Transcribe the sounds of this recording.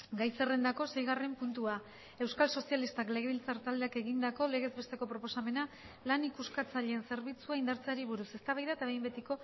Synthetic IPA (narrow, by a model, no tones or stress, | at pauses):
ɡajse̞re̞nd̪ako̞se̞jɣ̞are̞mpunt̪ua | e̞wskalso̞sijalist̪akle̞ɣ̞e̞βilt͡saɾt̪ald̪eake̞ɣind̪ako̞le̞ɣ̞e̞zβe̞st̪e̞ko̞pɾo̞po̞same̞na | lanikuskat͡saʎeːnse̞ɾβit͡suaind̪aɾt͡saɾiβ̞uɾuse̞st̪aβajðaet̪aβe̞jmbe̞t̪iko̞